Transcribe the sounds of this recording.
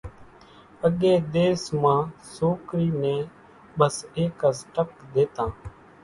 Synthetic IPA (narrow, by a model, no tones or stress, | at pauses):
əɠeːd̪eːsmãːsoːkɾiːnẽː | ɓəseːkasʈəkd̪eːt̪ãː